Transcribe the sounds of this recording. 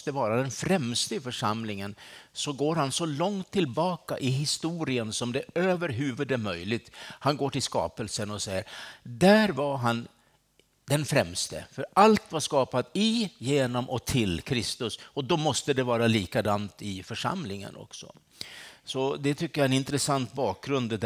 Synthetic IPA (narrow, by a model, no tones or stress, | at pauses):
t̪əvɑːɾad̪ɛnfɾɛmst̪əɪfœʂamlɪŋənsɔɡoːɾɦansɔlɔŋt̪ʰːɪlbɑːkaʔɪɦɪst̪uːɾɪənsɔmd̪ɛøːvəɾɦʉ̟ːvɵd̪ɛmœjlɪɡ̚t̪hanɡoːʈɪlskɑ̰ːpəlsənɔsɛjːəɾd̪æːɾvaɾɦan | d̪ɛnfɾɛmst̪ə̰fœɾʔalt̪vaʂkɑːpat̪ɪjeːnɔmʔɔt̪ʰɪlkʰɾɪst̪ɵsɔd̪ɔmɔst̪əd̪ɛvɑːɾaliːkad̪amt̪ɪfœʂa̰mlɪŋə̰nʔɔ̰ksɔ̰ | sɔd̪ɛt̪ʰʏkːəjaɛnɪnt̪ɾəsant̪bɑːk̚ɡɾɵnd̪d̪